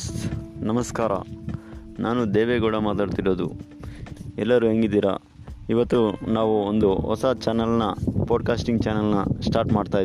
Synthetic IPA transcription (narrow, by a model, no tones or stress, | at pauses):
nɐmɐskaːɾɐ̰ | naːnud̪eːʋeɡuːɽɐmaːt̪aːɽt̪iɽo̞ːd̪ṵ | ɛlːɐɾuɦeŋɡid̪ːiːɾa̰ | iʋɐt̪ːunaːʋuond̪uɦɔ̰sɐt͡ʃaːnɐlnɐpoːɖ̚kaːsʈiŋɡ̚t͡ʃaːnɐlnɐsʈaːɾʈmaːɖt̪aːji